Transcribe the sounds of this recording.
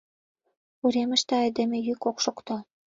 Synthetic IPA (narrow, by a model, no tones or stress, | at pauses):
uɾemə̆ʃt̪eɑjd̪emĕjykokʃokt̪o